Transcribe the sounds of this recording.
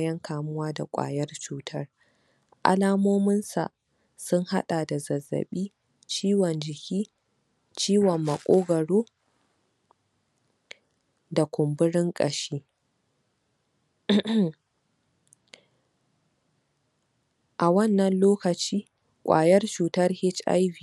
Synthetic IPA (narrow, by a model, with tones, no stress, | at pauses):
jɐ˦ŋkʰaː˨mʊ˦waː˦da˨kʷʼa̰ː˨jɐ˦rt͡ʃuː˦tʰɐ˦r | ʔa̰˦laː˦moː˦mɪ˦nsa̰˨ | sʊ˦ŋha˦ɗaː˨da˨zɐ˨zːɐ̰˨ɓiː˦ | t͡ʃiː˦wɔ˨nd͡ʒɪ˨kʲiː˦ | t͡ʃiː˦wɔ˨mːɐ˨kʷʼoː˦ɡɐ˨ɽoː˦ | da˨kʷʊ˨mbʊ˦ɽɪ˦ŋkʼɐ˨ʃiː˦ | ʔa˨wɐ˦nːɐ˨nloː˦kɐ˨t͡ʃiː˦ | kʷʼa̰ː˨jɐ˦rt͡ʃuː˨tɐ˦rhɪ˦t͡ʃʔa̰˦jwiː˨